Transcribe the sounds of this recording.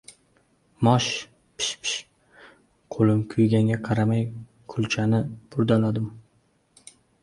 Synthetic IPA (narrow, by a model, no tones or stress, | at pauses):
mɒʃ | pʰɪ̥ʃpʰɪ̥ʃ | qʰolˠɪmkʰʊjɡʲaŋɡʲaqʰɑɾamaj | kʰʊlˠt͡ʃʰanɪbʊɾd̪alad̪ɪm